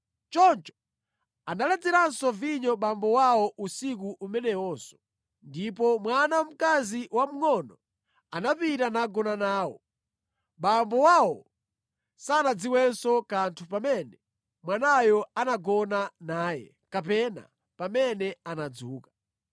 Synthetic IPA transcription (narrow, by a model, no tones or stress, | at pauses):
t͡ʃɔnt͡ʃɔ̥ | analɛd͡zɛɾansɔviɲɔɓambɔwawɔʔusik̬uʔumɛnɛwɔːsɔ̥ | ndipɔmwanam̩kaziwam̩ŋɔnɔ | anapitanaɡɔnanaːwɔ̰ | ɓambɔwawɔ | saːnad͡ziwɛnsɔkantʰupamɛnɛ | mwanajɔanaɡɔnanaːjɛ̰ | kapɛna̰ | pamɛnɛanad͡zuːkḁ